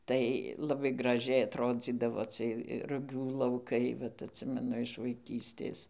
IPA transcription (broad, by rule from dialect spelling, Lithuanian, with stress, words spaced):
ˈtɐɪ lˠɐˈbɐɪ ɡrɐˈʒʲɛɪ ɐtˈroːd͡zʲiːdɐʋoː ˈt͡sɨɜj rʊˈɡʲuː lˠɐʊˈkɐɪ ˈʋɐt ɐtʲˈsʲɪmʲɛnʊ ɪʃ ʋɐɪˈkʲiːsʲtʲeːs